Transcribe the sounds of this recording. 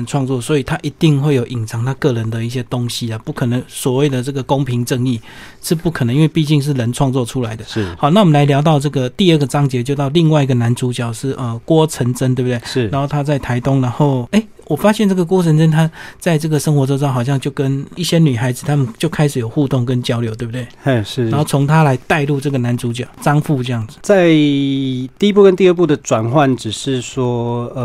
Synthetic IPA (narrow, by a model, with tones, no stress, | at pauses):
nʈ͡ʂʰwɑ˥˧ŋt͡swɔ˥˩swɔ˧˥i˨˩t̪ʰa˦˥ʔi˧˥t̪i˥˧ŋxwe˥˩ɪjo˨˩ʊʔi˨˩ŋt͡sʰɑ˨˩ŋt̪ʰa˥kɤ˥˩ɻə˨˦nd̪ə˨i˥˩ɕ̬jɛ˥t̪o˦˥ŋɕi˦ə˨pu˥˩kʰə˨˩nə˧˦ŋswɔ˨˩we˥˩ɪd̪ə˩ʈ͡ʂɤ˥˩ɡə˩ko˦˥ŋpʰi˧˥ŋʈ͡ʂə˥˧ŋi˥˩ | ʂɻ̩˥˧pu˥˩kʰn˧ŋi˥nwe˥˧ɪpi˥˧t͡ɕi˥˧ŋʂ̬ɻ̩˥˩ɻə˧˦nʈ͡ʂʰwɑ˥˧ŋt͡swɔ˥˨ʈ͡ʂʰu˦la˨˦ɪd̪ə˨˥˩hɑ˨˦na˥˩wɔ˨˩mə˨nla˧˥ɪljɑ˧˥ʊt̪ɑ˥˧ʊʈ͡ʂɤ˥˩ɡə˩t̪i˥˧ə˥˩ɡə˩t͡sɑ˥ŋt͡ɕjɛ˧˥t͡ɕjo˥˧ʊt̪ɑ˥˧ʊli˥˧ŋwa˥ɪi˧ɡə˨na˧˦nt͡su˧˥t͡ɕjɑ˨˩ʊʂɻ̩˥˩ʔə˨kwɔ˦ʈ͡ʂʰə˧˥nt͡sə˥nt̪e˥˩bt̪e˥˩˥ɻa˧˦nxo˥˩ʊt̪ʰa˥t͡sa˥˩ɪt̪ʰa˧˥ɪt̪ʊ˥ŋna˧˥nxo˥˩ʊe˥˩ɪ | wɔ˨˩fa˥ɕjɛ˥˨nt͡sɤ˥˩ɡə˨˩k̬wɔ˥t͡sʰə˧˦nt͡sə˥nt̪ʰa˥t͡sa˥˧ɪʈ͡ʂɤ˥˩ɡə˩ʂə˥ŋxwɔ˧˥ʈ͡ʂʈ͡ʂxɑ˨˩ʊɕjɑ˥˧ŋt͡ɕjo˥˩ʊkə˦˥ni˥˩ɕjɛ˥ny˨˩xa˧˥ɪd͡zɹ̩˨˩t̪ʰa˥mə˨nt͡ɕjo˥˩ʊkʰa˥ɪʂɻ̩˨˥jo˨˩ʊxu˥˧t̪ʊ˥˩ŋkə˦nt͡ɕjɑ˥ʊljo˧˥ʊt̪e˥˩bu˩we˥˩ɪ˥˩˥xo˥˩ʊt͡sʰo˧˥ŋt̪ʰa˥la˧˥ɪt̪a˥˧ɪlu˥˧ʈ͡ʂɤ˥˩ɡə˩na˧˦nt͡su˧˥t͡ɕjɑ˨˩ʊʈ͡ʂɑ˥ŋfu˥˩ʈ͡ʂɤ˥˧jɑ˥˩ŋd͡z̩˨˩t͡sa˥˩ɪ | t̪i˥˧i˥pu˥˧kə˦nt̪i˥˧ə˥˧˩p̬u˥˩d̪ə˨ʈ͡ʂwa˨˩nxwa˥˩nʈ͡ʂɻ̩˨˩ʂɻ̩˥˨swɔ˥ə˩